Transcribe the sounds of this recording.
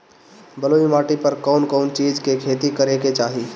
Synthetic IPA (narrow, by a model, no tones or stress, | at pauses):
bəloːimaːʈipəɾkɔːnkɔːnt͡ʃiːd͡ʒkekʰeːt̪ikəɾeket͡ʃaːɦiː